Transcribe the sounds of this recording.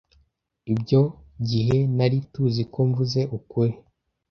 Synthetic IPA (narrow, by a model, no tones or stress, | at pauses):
ibɟo | ɟiɦe̞naɾituzikoɱvuze̞ʔukue